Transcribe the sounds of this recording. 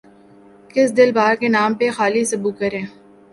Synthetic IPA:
kɪsd̪ɪlbaːɾkenaːmpexaːlisɐbuːkɐɾẽː

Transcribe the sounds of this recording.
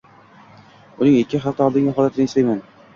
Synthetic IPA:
ʊnɪŋɪkʲːɪχaft̪aɒlˠd̪ɪŋʲɪχɒlat̪ʰɪnaɪʃt̪ajman

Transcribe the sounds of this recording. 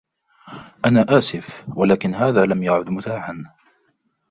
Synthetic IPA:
ʔanaːʔaːsɪfwalaːkɪnɦaːðaːlamjaʕʊd̪mʊt̪aːħan

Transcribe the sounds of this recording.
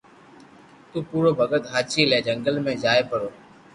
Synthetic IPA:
t̪ũːpuːɾoːbʱəɡət̪ɦaːt͡ʃiːleːd͡ʒəŋɡəlmẽːzaːepəɾoː

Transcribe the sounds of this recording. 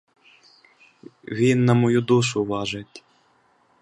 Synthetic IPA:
ʋʲinːɐmɔjud̪uʃʊʋɑʒetʲ

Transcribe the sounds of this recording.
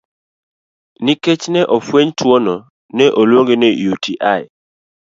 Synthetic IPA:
niket͡ʃnɛʔofweɲtʰwonɔ | nɛʔolwoŋɡenejutʰiʔaj

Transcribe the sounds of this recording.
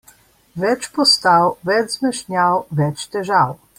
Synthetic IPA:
ʋɛt͡ʃpɔst̪awʋɛd͡ʒzmɛʃnʲjawʋɛt͡ʃt̪ɛʒaw

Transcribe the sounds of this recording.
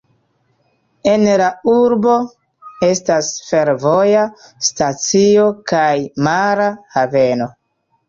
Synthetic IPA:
e̞nlauɾbo̞ | e̞stasfe̞ɾvo̞jastat͡sio̞kajmaɾahave̞no̞

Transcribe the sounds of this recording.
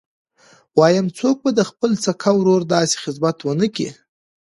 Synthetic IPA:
wɑjamt͡sok̚bad̪əxpəlt͡sakʰawɾoɾd̪ɑse̥xɪzmat̪wənəkḭ

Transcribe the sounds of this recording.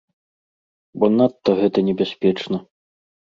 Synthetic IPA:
bɔnat̪ːɐɣɛt̪ɐnʲɛbʲasʲpʲɛt͡ʂnɐ

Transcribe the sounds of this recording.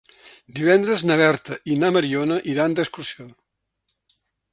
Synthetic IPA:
d̪iβɛnd̪ɾəznəβɛɾt̪əʔinaməɾionəʔiɾand̪əskursion

